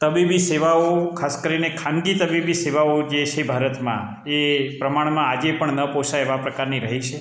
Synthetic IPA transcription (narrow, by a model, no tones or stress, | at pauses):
t̪əbibiseʋaokʰaskəɾinekʰãŋɡit̪əbibiseʋaod͡ʒet͡ʃʰebʱaɾət̪mã̰ | epɾəmaɳ̃mãad͡ʒepəɳnəposaeʋapɾəkaɾniɾəɦit͡ʃʰe